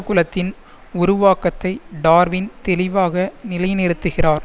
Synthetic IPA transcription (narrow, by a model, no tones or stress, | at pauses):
ɐkːʊlɐt̪ːɪn | ʊɾʊʋaːkɐt̪ːɐɪɖaːɾʋɪnt̪ɛlɪʋaːɣɐnɪlɐjnɪɾɯt̪ːɯɣɪraːɾ